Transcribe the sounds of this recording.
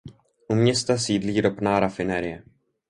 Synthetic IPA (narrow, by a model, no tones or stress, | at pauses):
ʔumɲɛst̪asiːdliːɾopnaːɾafɪnɛɾɪjɛ